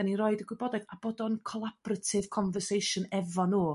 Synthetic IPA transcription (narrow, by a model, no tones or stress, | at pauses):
anirɔɨdəɡwɪbɔdaðab̥ɔdɔnkʰɔlˠab̥ratʰɪv̥kʰɔnvərsejʃʊnɛvɔnuː